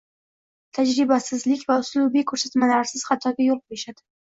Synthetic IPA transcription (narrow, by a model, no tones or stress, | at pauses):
t̪ʰad͡ʒɾɪbasɪzlɪkʲvaʊslubikʰɵɾsat̪malaɾsɪz̥χɑt̪ʰɒɡʲajoq̚bojaʃad̪ɪ